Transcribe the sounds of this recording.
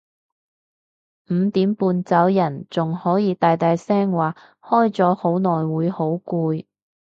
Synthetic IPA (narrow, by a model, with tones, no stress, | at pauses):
m̩ː˨˧t̪iː˨˥mpuː˧nt͡sɐ˨˥wjɐ˨˩nt͡sʊ˨ŋhɔː˨˥jiː˨˧t̪aː˨jt̪aː˨˧jsɛː˥ŋwaː˨˩ | hɔː˥jt͡sɔː˨˥ho˨˥wnɔː˨˩jwuː˨˧jho˨˥wkuː˧j